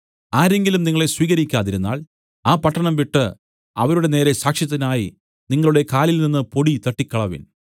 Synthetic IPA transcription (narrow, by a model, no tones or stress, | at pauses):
aːɾe̞ŋɡilumniŋːɐɭe̞swiːɣɐɾikʲːaːðiɾunːa̰ːɭ | aːpɐʈːɐɳɐmʋiʈːɨ | ɐ̰ʋɐɾuɽe̞ne̞ːɾe̞saːkʂjɐt̪ːinaːji | niŋːɐɭuɽe̞kaːlilninːɨpo̞ɽit̪ɐʈːikʲːɐɭɐʋḭn